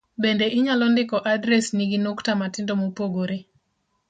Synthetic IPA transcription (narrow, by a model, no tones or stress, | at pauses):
bendeʔɪɲalɔndɪkɔʔadɾɛsniɡinoktamatɪndomopoɡoɾe